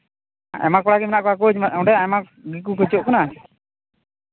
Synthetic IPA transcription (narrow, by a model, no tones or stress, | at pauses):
ɛ̰makɔɽaɡimɛnaʔkɔak̬ot͡ʃmɔɖɛɛmak | ɡik̬ukət͡ʃoʔkɔna